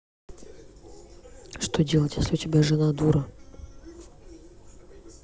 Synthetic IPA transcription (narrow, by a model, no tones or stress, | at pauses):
ʂt̪odʲelˠətʲjesʲlʲɪʊtʲɪbʲaʐɨnad̪uɾə